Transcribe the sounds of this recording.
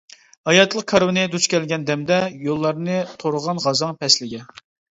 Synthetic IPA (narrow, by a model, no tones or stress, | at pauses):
ɑjɑt̪ʰlˠəqkʰɑɾwɨnɨd̪ut͡ʃkʲʰɛlɡʲɛnd̪ɛmd̪ɛjolˠːɑɾnɨt̪ʰoɾʊʁɑnʁɑzɑŋpʰɛslɪɡʲɛ